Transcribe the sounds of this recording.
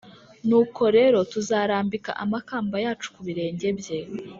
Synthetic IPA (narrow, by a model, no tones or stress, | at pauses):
nuːkʰo̞ɾe̞ɾo̞tuzaːɾaːmbika̰ʔamakaːmbajaːt͡ʃu̥kuβiɾe̞ːɲɟe̞bje̞